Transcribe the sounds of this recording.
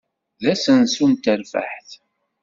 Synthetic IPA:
ðæsənsunt̪ælfə̰ħθ

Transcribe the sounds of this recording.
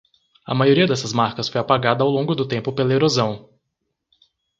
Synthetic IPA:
ɐ̰majoɾiɐd̪ɛsɐzmaɾkɐsfojapaɡad̪ɐawlõɡʊd̪ʊt̪ẽmpʊpelɐeɾozɐ̃w̃

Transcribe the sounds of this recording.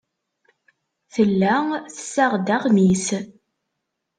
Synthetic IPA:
θəlːæθə̥sːæʁd̪æʁmis

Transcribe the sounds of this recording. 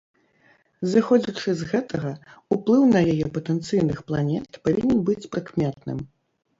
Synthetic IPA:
zɨxɔd͡zʲit͡ʂɨzɣɛt̪ʰɐɣɐuplˠɨwnɐjajɛpɐt̪ɛnt̪sɨjnɨxplˠanʲɛt̪pavʲinʲɛnbɨt͡sʲpɾɨkmʲɛt̪̚nɨ̰m

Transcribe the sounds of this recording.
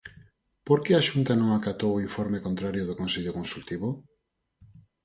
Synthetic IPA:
poɾkeaʃunt̪anõŋakat̪owoiɱfoɾmekont̪ɾaɾjoðokonseʎokonsult̪iβo

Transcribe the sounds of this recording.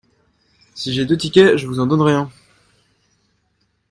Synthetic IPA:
siʒed̪øt̪ikʲɛʒəvuzɑ̃d̪ɔnʁjɛ̃

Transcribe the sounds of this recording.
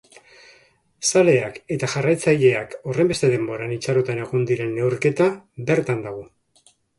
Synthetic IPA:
sale̞ake̞t̪aʝarajt͡saʎe̞ako̞rembe̞st̪e̞ðe̞mbo̞ɾanit͡ʃaɾot̪ane̞ɣ̞ond̪iɾe̞ne̞wɾke̞t̪abe̞ɾt̪and̪aɣ̞o̞

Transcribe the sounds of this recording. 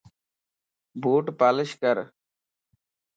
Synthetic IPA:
bʱuːʈpaːlɪʃkəɾ

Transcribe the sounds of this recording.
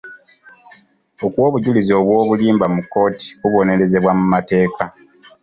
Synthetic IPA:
o̞kwo̞ːβuɟulizo̞ːβwo̞ːβuliːmbamukːo̞ːti̥kuβo̞ne̞ɾe̞ze̞βwamumate̞ːka

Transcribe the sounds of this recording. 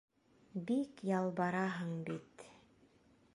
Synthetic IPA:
bikjɑlˠbɑɾɑɦɤɴbit̪

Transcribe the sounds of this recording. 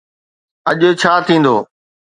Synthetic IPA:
əʄt͡ɕʰaːt̪ʰĩːn̆d̪o̰ː

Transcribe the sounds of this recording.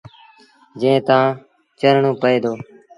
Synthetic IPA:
d͡ʒẽːt̪ãː | t͡ʃəɾɳõːpəeːd̪oː

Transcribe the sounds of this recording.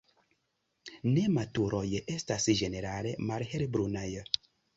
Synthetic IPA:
nematuɾʔojəʔestasʒeneɾalemaɾheɾbɾunajə

